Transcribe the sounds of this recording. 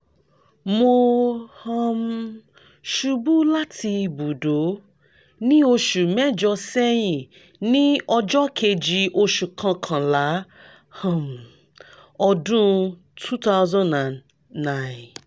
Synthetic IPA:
mo˧hã˧m | ʃu˧bu˦la˦tʰi˧bu˨do˨˦ | nĩ˦o˧ʃu˨mɛ˦d͡ʒɔ˧sɛ˦j̃ĩ˦˨ | nĩ˦ɔ˧d͡ʒɔ˦kʰe˧d͡ʒi˧ʔo˧ʃu˨kʰã˧kʰã˨la˨˦ | hã˦˨m˨ | ɔ˧dũ˦ | tʰu˦ta˦ʊzã˦nã˨nː | ã˦˨n

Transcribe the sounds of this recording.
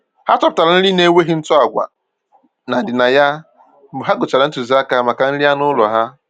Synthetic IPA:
ha˦tɔ˦pʊ˨ta˨ɾa˨n̩˦li˦ne˦we˦ɦi˦n̩˦tɔ˦a˨ɡʷa̰˨ | na˨dɪ˨na˨ja˦ | m̩˦bʊ˨ɦa˦ɡʊ˨t͡ʃa˨ɾa˨n̩˦tu˨zi˦a˦ka˨ma˨ka˨n̩˦ɾi˦a˦nʊ˦lɔ˨ɦa˦

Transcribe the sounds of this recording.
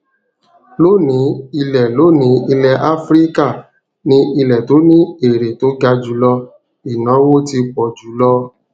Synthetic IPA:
lo˦˨nĩ˨˦i˧lɛ˨lo˨˦˨nĩ˨˦i˧lɛ˧ʔa˦fɾi˦ka˦˨ | nĩ˧ʔi˧lɛ˨to˨˦nĩ˦e˨ɾe˨to˨˦ɡa˧d͡ʒu˨˦lɔ˧ | i˨nã˨˦wo˦ti˧k͡pɔ˨d͡ʒu˨˦lɔ˦

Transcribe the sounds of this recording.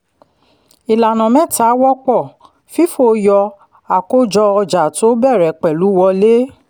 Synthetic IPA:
i˨la˨nã˨mɛ̃˦ta˨˦wɔ˦k͡pɔ˦˨ | fi˦fo˦˧˨jɔ˧ | a˨ko˦d͡ʒɔ˧ɔ˧d͡ʒa˨to˦bɛ˦˨ɾɛ˨k͡pɛ˨lu˨˦wɔ˧le˦

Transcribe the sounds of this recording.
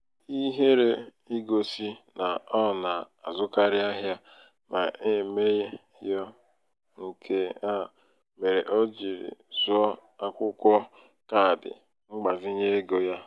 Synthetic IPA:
i˦ɦe˦ɾe˦ | i˦ɡo˨si˦na˨ɔ˦˨na˨ | a˨zʊ˦ka˦ɾɪ˦a˦ɦja˦ | ma˨e˦me˦je˦ | jɔ˦ | ŋ̩˨kʰe˦a˦˨ | me˨ɾe˨ʔɔ˦d͡ʒi˨ɾḭ˨zʊ˦ɔ˦a˦kʷʊ˦kʷɔ˦ | ka˦˨dɪ̰˨ | ŋ͡m̩˦ɡ͡ba˨zi˦ɲe˦ɡo˨ja˦

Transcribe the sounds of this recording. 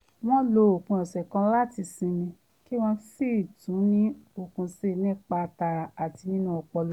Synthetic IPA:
w̃ɔ̃˦lo˧o˨kũ˧ɛ˨sɛ˨kã˧la˦ti˧sĩ˧nĩ˧ | ki˦w̃ɔ̃˧si˦˨tũ˨˦nĩ˦o˧˨kũ˧se˦˨nĩ˦˨k͡pa˧ta˧˨a˨ti˧nĩ˦nũ˦ɔ˧k͡pɔ˧l

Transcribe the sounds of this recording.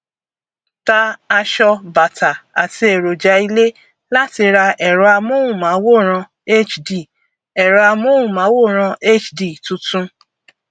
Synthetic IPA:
ta˧a˧ʃɔ˧ba˨tʰa˨a˨ti˧e˨ɾo˨d͡ʒa˨˧˦i˧le˦ | la˦ti˧ɾa˧ʔɛ˨ɾɔ˧a˧mo˦wũ˦˨mã˨˦wo˦˨ɾ̃ã˧ | e˦t͡ʃdi˨ | ɛ˨ɾɔ˨˧a˧mo˦ũ˦˨mã˨˦wo˦˨ɾ̃ã˧e˦t͡ʃdi˨tũ˨˧tũ˦

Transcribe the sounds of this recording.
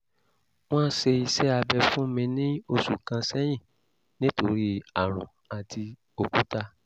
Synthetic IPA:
w̃ɔ̃˦ʃe˧i˧sɛ˦a˧bɛ˧fũ˦mĩ˧nĩ˦o˧su˨kã˧sɛ˦j̃ĩ˦˨ | nĩ˦to˧ɾi˦a˨ɾ̃ɔ̰̃˨ | a˨ti˧ | o˧kũ˦ta˧

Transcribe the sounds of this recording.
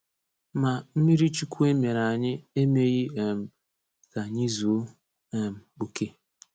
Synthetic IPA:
ma˨m̩˦mi˦ɾi˦t͡ʃu˦kʷu˦e˦me˨ɾa˨ɲɪ˦e˦me˦ɣi˦˨m̩˨ | ka˨ɲi˦zu˨˦˨ | m̩˨bu˨ke˦

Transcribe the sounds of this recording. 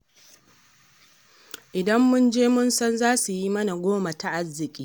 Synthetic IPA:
ʔɪ˨dɐ˦mːʊ˦nd͡ʒeː˦mʊ˦nsɐ˦nzaː˦su˨ji˦mɐ˦na˨ɡʷoː˦ma˨ta˨ʔa˦zːɪ˨kʲʼiː˦

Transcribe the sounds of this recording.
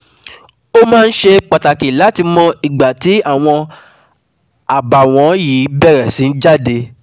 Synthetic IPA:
o˦mãː˦˧n̩˦ʃe˧k͡pa˨ta˨ki˨la˨˦ti˧mɔ̃˧i˨ɡ͡ba˨ti˨˦a˦˨w̃ɔ̃˧ | a˨ba˨w̃ɔ̃˨˦jiː˨˦bɛ˦˨ɾɛ˨sĩ˨n̩˦d͡ʒa˦˨de˧

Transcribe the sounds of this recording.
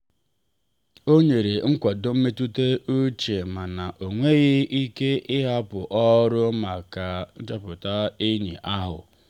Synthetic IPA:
o˦ɲe˨ɾe˨˦ŋ̩˦kʷɔ˨dʊ˦m̩˦me˦tu˦te˦u˦t͡ʃe˨ma˨na˨ʔo˨ŋʷe˦ɣɪ˦ʔi˦ke˦ɪ˦ɦa˦pʊ˨ʔɔ˦ɾʊ˦ma˨ka˨˦d͡ʒa˦pʊ˨ta˦ɪ˦ɲḭ˨ʔa˦ɦʊ̰˨

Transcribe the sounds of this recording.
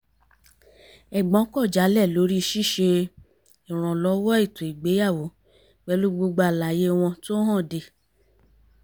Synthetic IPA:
ɛ˨ɡ͡bɔ̃˨˦kɔ˦˨d͡ʒa˨˦lɛ˦˨lo˨˦ɾi˦˧˦ʃi˦˨ʃe˧ | i˨ɾ̃ɔ̃˨lɔ˨˧˦wɔ˦i˦˨to˨i˨ɡ͡be˨˦ja˦˨wo˨˦ | wɛ˧lu˦ɡ͡bu˧ɡ͡ba˧˨la˨je˦w̃ɔ̃˧to˦ɦã˦˨de˧˨

